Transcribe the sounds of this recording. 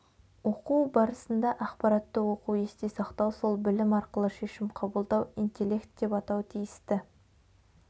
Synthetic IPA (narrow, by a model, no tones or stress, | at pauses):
woquwbɑɾəsənd̪ɑʔɑqpɑɾɑt̪ːəwo̞quwe̞st̪e̞sɑqt̪ɑwso̞lˠbɪlɪmɑɾqəlˠəʃeʃɪmqʰɑbəlˠd̪ɑwint̪ʲe̞lʲːe̞kt̪̚d̪e̞pɑt̪ɑwt̪ʰijɪst̪ɪ